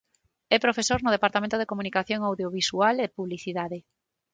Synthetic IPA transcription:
ɛpɾofesoɾnʊð̞epaɾt̪amẽnt̪oðekomunikaθjoŋawðjoβisualepuβliθiðaðe

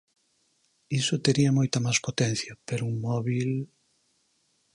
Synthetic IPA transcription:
isʊt̪eɾiɐmojt̪ɐmaspot̪ɛn̟θjɐpeɾʊuŋmɔβil

